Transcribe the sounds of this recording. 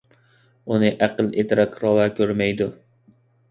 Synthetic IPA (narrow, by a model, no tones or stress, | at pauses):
ʊnɪʔaqɨlˠet̪ɾakʲʰɾɒvakʲʰɵɾmajd̪ʊ